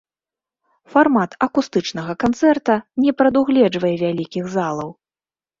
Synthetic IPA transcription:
farmat̪ɐkust̪ɨt͡ʂnɐɣɐkant̪sɛrt̪ɐnʲɛpɾɐd̪uɣlʲɛd͡ʐvɐjɛvʲalʲikʲiɣzalˠɐw

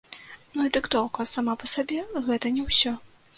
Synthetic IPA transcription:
nuid̪ɨkt̪ɔwkɐsamapɐsabʲɛɣɛt̪ɐnʲɛwsʲɔ

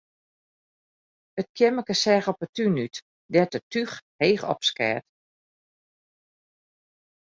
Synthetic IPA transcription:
ət̚kʰjɛməkəsɛːɣɔpətynyt | dɛtətyxheːxɔ̰pskɛ̰ːt

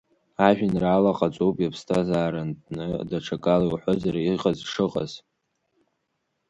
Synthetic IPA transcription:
aʒᶣɪnraːlaqʼat͡sʷʼowpʼjapʰstʰazaːɾantʼnɨdaʈ͡ʂʰakʼaliwħʷozaɾaiqʼazʂɨqʼa̰z̥

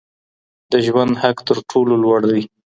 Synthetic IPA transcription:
d̪əʒwand̪hakt̪əɾʈʰololwaɽd̪i

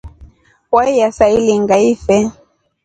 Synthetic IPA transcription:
waijasailiŋɡaifɛ

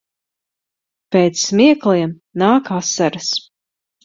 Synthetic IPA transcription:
peːt̪smiɛklˠiɛm | naːkasːaɾas

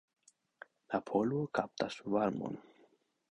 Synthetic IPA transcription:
lapʰoluokap̚t̪asvaɾmo̰n

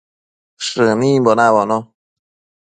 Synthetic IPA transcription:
ʂɨnimbɔnabɔnɔ

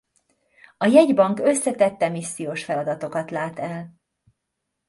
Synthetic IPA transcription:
ɒjɛɟbɒŋkø̞sːɛt̪ɛt̪ːɛmisːijoːʃfɛlɒd̪ɒt̪o̞kɒt̪laːt̪ɛl

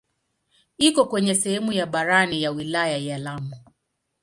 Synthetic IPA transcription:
ikɔkwɛɲɛsɛhɛmujaɓaɾanijawilajajalamu

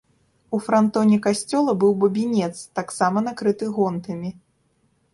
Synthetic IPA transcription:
ufɾant̪ɔnʲɛkasʲt͡sʲɔlˠɐbɨwbɐbʲinʲɛt̪st̪aksamɐnakɾɨt̪ɨɣɔnt̪ɐmʲi

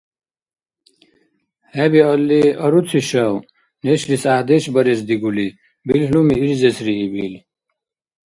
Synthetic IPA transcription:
hɛbiɔlːiɐɾut͡sʰiʃɐw | neɕɾisaːd̪ɛʃbɐɾesd̪iɡuli | bilhlumiːɾzɛsɾiːbil

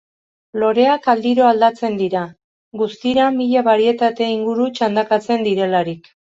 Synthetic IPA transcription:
lo̞ɾe̞akald̪iɾo̞ald̪at͡se̞nd̪iɾa | ɡust̪iɾamiʎaβaɾie̞t̪at̪e̞iŋɡuɾut͡ʃand̪akat͡se̞nd̪iɾe̞laɾik

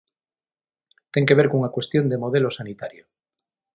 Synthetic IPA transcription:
t̪e̞ŋke̞β̞eɾkoŋakwe̞st̪jo̞nd̪emo̞ð̞elo̞sanit̪aɾjo

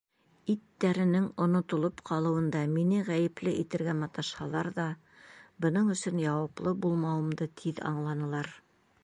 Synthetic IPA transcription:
it̪ːæɾɘ̆nɘŋŏnŏt̪ŏlˠopqʰɑlˠɤ̆wɤ̆nd̪ɑminɘʁæjɘ̆plɘʔit̪ɘ̆ɾɡæmɑt̪ɑʃhɑlˠɑɾðɑ | bɤ̆nɤɴɵ̆sɵnjɑwɑplˠɤbulˠmɑwɤ̆md̪ɤt̪ʰiðɑ̰ɴlˠɑnɤ̆lˠɑɾ

